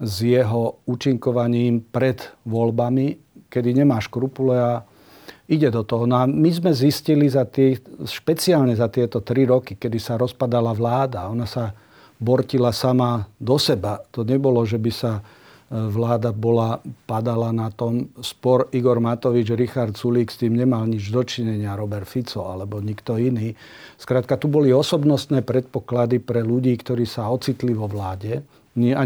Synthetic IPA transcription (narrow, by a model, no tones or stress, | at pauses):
zjɛɦɔuːt͡ʃiŋkɔʋaɲiːmpɾɛd̪ʋɔlbami | kɛd̪iɲɛmaːʃkɾupulɛa | iɟɛd̪ɔt̪ɔɦɔnɔamizmɛziscilizat̪ːʃpɛt͡sialɲɛzat̪ɪɛt̪ɔt̪ɾiɾɔkikɛd̪isaɾɔspad̪alaʋlaːd̪aɔnasa | bɔɾcilasamad̪ɔsɛbat̪ɔɲɛbɔlɔʒɛbisa | ʋlaːd̪abɔlapad̪alanat̪ɔmspɔɾiɡɔɾmat̪ɔʋid͡ʒaɾixaɾt̪suliːkst̪iːmɲɛmalɲid͡ʒd̪ɔt͡ʃiɲɛɲɪaɾɔbɛɾt̪fit͡sɔa̰lɛbɔɲikt̪ɔiniː | skɾaːt̪̚kat̪ubɔliɔsɔbnɔst̪nɛːpɾɛt̪̚pɔklad̪ipɾɛluɟiːkt̪ɔɾiːsaɔt͡sit̪liʋɔʋlaːɟɛ | ɲa